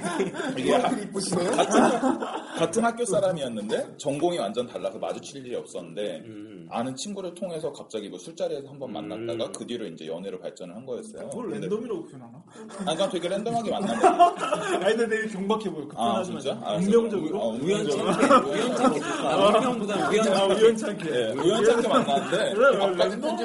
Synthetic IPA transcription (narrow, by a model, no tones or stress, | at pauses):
iɡeiip͈oɕʰimeokaɯ | katʰɯnɦhak̚k͈jos͈aɾamiʌnːɯnde̞t͡ɕʌŋɡoŋiwand͡ʑʌntaɭːasʰʌma̰d͡ʑut͡ɕʰiʎd͡ʑiɾiʌp̚s͈ʌnːɯnde̞ | a̰nɯnt͡ɕʰinɡuɾɯɭtʰoŋɦe̞sʰʌkap̚t͡ɕ͈aɡiɡosʰuɭt͡ɕ͈aɾesʰʌhambʌnma̰nːa̰t̚t͈aɡakɯdiɾoind͡ʑe̞̰jʌneɾɯɭpa̰ɭt͡ɕ͈ʌnɯɭhanɡʌjʌs͈ʌ̰ojondedoŋiɾopʰʌnana | aɲikantwe̞ɡeɭhʰendoŋɦaɡimanːan | aideneekjʌŋbakʰebokɯat͡ɕit͡ɕ͈aa̰ujʌŋd͡ʑʌɡɯɾoujʌnɡujʌnʰaoajʌŋudauʌaujʌnt͡ɕʰakʰejeujʌnt͡ɕʰakʰemanːanɯnde̞aakʰendoŋd͡ʑi